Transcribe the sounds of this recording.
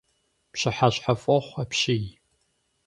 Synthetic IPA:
pɕɪħaɕħafʼɐχʷapʃɪj

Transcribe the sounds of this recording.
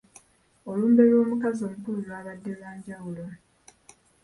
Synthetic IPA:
o̞luːmbe̞lo̞ːmukazo̞ːmupululwaːβadːe̞lwaːɲɟawulo

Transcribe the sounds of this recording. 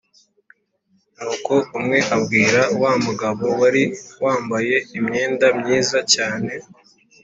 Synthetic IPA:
nuːko̞umŋe̞ʔabɡiːɾawamuɡaβo̞waɾiwaːmbaje̞imɲe̞ːndamɲiːzacaːne̞

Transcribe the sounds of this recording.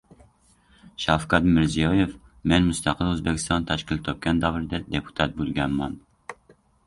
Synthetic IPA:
ʃɑfkɑt̪mɪɾzijɑjef | menmust̪ʰɑqəlˠøzbɪkʲʰist̪ɑnt̪ʰæʃkʲilt̪ʰːop̚kʲʰɛnd̪ɑvɾɨd̪ɛd̪epʰu̥t̪ʰɑt̪̚bølɡʲɛnmɑn

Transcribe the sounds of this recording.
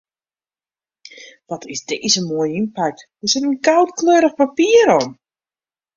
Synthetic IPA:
ʋɔtʰɪsdeːzəmoːjəinpak̚t | əsɪtənɡawtkløːɾəxpapiːəɾɔn

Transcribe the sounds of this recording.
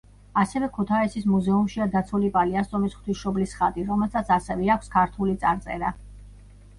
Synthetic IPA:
asɛvɛkʰut̪ʰaisismuzɛumʃiad̪at̪sʰulipʼaliast̪ʼɔmisχt̪ʰisʃɔblisχad̪ʼiɾɔmɛlsat̪sʰasɛvɛakʷʰskʰaɾt̪ʰulit̪sʼaɾt̪sʼɛ̰ɾa

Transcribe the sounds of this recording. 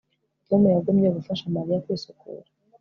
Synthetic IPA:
tomujaɡomɲeɡufaʃamaɾijakwiːsukʰṵɾḁ

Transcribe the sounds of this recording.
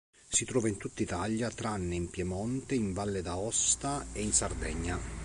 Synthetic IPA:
sit̪ɾɔːvaint̪ut̪ːit̪aʎjat̪ɾanːɪimpjɛmɔnt̪ɪiɱvalːɪd̪aɔst̪aeinsard̪ɛɲːa

